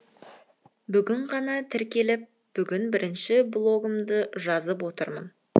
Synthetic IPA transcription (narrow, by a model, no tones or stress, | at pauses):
bʏɡʲɪɴʁɑnɑt̪ʰɪɾkʲe̞lɪp̚ | b̥ʏɡʲɪnbɪɾɪnʃɪblˠo̞ɡəmd̪əʒɑzəp̬wo̞t̪əɾmə̰n